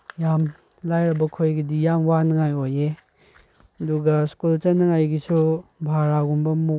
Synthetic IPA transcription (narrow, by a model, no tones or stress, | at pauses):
jam | lajɾɐbɐkʰojɡɐdijamwanɐŋajoje | ɐduɡɐskult͡ʃɐnːɐŋajɡisubʱaɾaɡumbɐmu